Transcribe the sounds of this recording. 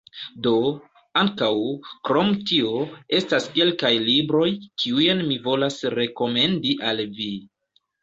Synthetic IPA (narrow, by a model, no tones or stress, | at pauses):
do̞ | aŋkawkɾo̞mtio̞e̞staske̞lkajlibɾo̞jkʰiujenmivo̞lasɾe̞ko̞me̞ndiʔalvi